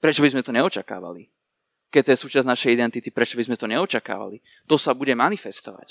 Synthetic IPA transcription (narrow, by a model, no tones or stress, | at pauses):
pɾɛt͡ʃɔbizmɛt̪ɔɲɛɔt͡ʃaka̰ːʋa̰li | kɛt̪ɔjɛsuːt͡ʃaznaʃɛjid̪ɛnt̪it̪ipɾɛt͡ʃɔbizmɛt̪ɔɲɛɔt͡ʃaka̰ːʋa̰li | t̪ɔsabuɟɛmanifɛst̪ɔʋa̰c